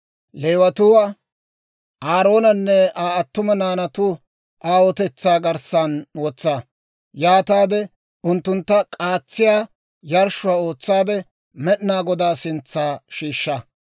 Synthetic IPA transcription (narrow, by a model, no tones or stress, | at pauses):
leːwɐt̪ʊwa | aːɾo̞ːnɐnːɛaːɐt̪ːʊmɐnaːnɐt̪ʊ | ʔaːwɔt̪ɛt͡sːaːɡɐɾsɐnwɔt͡sːa | jaːt̪aːd̪ɛ | ʊnt̪ːʊnt̪ːɐkʼaːt͡sːɪjaː | jɐɾʃʊwaːo̞ːt͡sːaːd̪ɛ | mɛɗɪnaːɡɔd̪aːsɪnt͡sːaːʃiːʃːɐ